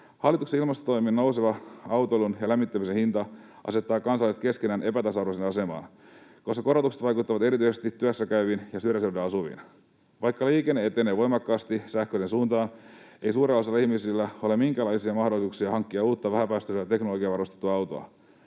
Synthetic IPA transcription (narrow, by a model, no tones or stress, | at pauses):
hɑlːit̪ukseilmɑst̪ot̪o̞jminnouseʋɑɑwt̪oelunjɑlæmːit̪ːæmisenhint̪ɑ | ʔɑ̰se̞t̪ːɑːkɑnsɑlːˑist̪ke̞skenæːnʔe̞pæt̪ɑsɑrʋosenɑse̞mɑ̰ːn | koskɑ̥ko̞ɾot̪ukset̪ʋɑjkut̪ːɑʋɑt̪e̞ɾit̪ysest̪it̪ːyøsːækæyʋinjɑsyɾjæseudeɑsuʋḭn | ʋɑjkːɑliːkenːeet̪enːeʋo̞jmɑkːɑːst̪isæhkøiɾensuːnt̪ɑːneisuːɾelːɑselɑihmisilːæo̞lemiŋkæːlɑisiɑmɑhdo̞lːˑisuːksiɑhɑŋkːiɑuːt̪ːɑʋæhæpæːst̪øsɑt̪e̞knoloɡiɑʋɑrost̪et̪ːuɑɑwt̪o̰ɑ̰